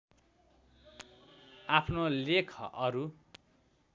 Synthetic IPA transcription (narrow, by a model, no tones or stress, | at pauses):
apʰnolekʰʌ̰ʔʌɾu